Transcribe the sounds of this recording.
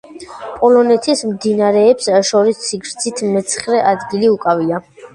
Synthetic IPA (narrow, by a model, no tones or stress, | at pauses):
pʼɔlɔnɛt̪ʰismd̪inaɾɛːpsʃɔɾisːiɡɾd̪sʰit̪ʰmɛt̪sʰχɾɛʔad̪ɡiliukʼavia